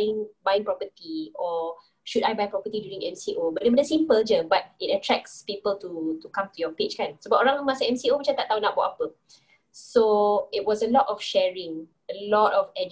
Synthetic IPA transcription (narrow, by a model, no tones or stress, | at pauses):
ĩŋbajĩŋpɹɔpətiɔ | ʃudajbajpɹɔpətidjuɹĩŋɛ̰̃msiʔobat̚demɔdəsĩmpəld͡ʒəbat̚it̚ətʰɹɛk̚spipəltutukãmtujɔpet͡ʃkãnsobaʔɔɾãŋmasəɛ̃msiomat͡ʃat̪aʔt̪awnaʔ̚bɔʔapə | soit̚wɔsəlɔtɔfʃɛɹĩŋ | əlɔtɔfɛd͡ʒ